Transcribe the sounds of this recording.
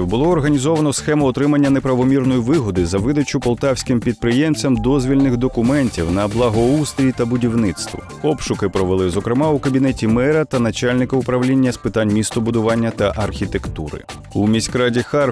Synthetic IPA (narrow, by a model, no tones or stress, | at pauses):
wbʊlˠɔːrɦɐnʲizɔʋɐnɔsxɛmʊɔt̪ɾɪmɐnʲːɐnepɾɐʋɔmʲirnɔjiʋɪɦɔd̪ɪzɐʋɪd̪ɐt͡ʃʊpɔlˠt̪ɑwsʲkɪmpʲid̪̚pɾɪjɛmt͡sʲɐmd̪ɔzʲʋʲilʲnɪxd̪ɔkʊmɛnʲtʲiwnɐblˠɐɦɔust̪ɾʲit̪ɐbʊdʲiwnɪt̪st̪ʋɔ̰ | ɔpʃʊkɪpɾɔʋelˠɪzɔkɾɪmɑʊkɐbʲinɛtʲimɛɾɐt̪ɐnɐt͡ʃalʲnɪkɐʊpɾɐwlʲinʲːɐspɪt̪ɑnʲmʲist̪ɔbʊd̪ʊʋɑnʲːɐt̪ɐʔɐrxʲit̪e̞kt̪uɾɪ̰ | umʲisʲkɾɑdʲixɑr